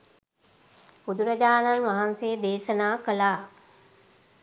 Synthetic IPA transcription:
bud̪uɾəd͡ʑaːnanʋaɦansed̪eːʃənaːkəlaː

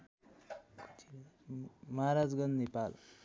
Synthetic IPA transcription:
kʰut̪i | mʌɦaɾad͡zɡʌnd̪nepal

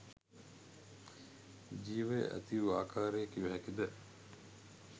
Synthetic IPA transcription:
d͡ʒiːʋḛʔæ̰t̪iʋaːkʰaːɾejːkiʋuɦækid̪ə

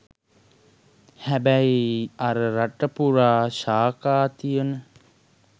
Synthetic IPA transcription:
hæbæjiɐɾəɾaʈəpuɾaːʃaːkaːt̪ijənə

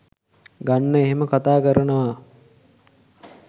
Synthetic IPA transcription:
ɡanːəeɦeməkat̪aːkəɾənəʋa

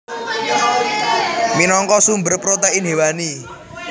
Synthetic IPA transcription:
minɔŋkɔsumbərpɾot̪ainɦewani

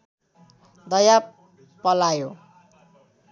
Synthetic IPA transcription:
d̪ʌjap | pːʌlajo

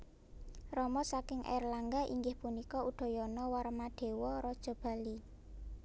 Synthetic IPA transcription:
rɔmɔsakɪŋʔɛ̰rlaŋɡaʔḭŋɡɪhpunikɔuɖ̪̥ɔ̤jɔnɔwarmaɖ̪̥e̤wɔɾɔd̥ʒ̥ɔ̤b̥a̤li

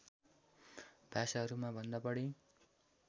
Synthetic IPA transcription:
bʱasaɦʌɾumabʱʌnd̪ʌpʌɽi

